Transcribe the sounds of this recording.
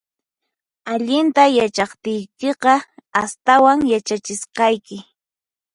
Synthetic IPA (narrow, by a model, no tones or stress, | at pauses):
aʎɪnt̪ajat͡ʃɑχt̪ɪjkeqɑast̪awaŋjat͡ʃat͡ʃɪsqɑjkɪ